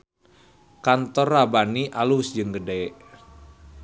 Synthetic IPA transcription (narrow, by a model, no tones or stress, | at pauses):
kant̪ɔrːabaniʔalusd͡ʒɨŋɡədeɛʔ